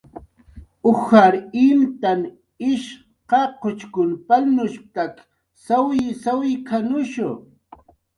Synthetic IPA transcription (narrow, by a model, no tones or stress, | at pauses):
ʊxaɾɪnt̪an | ɪʃ | qɑqot͡ʃkʊnpalnʊʃp̚t̪ak | sawɪsawɪkʰanʊʃʊ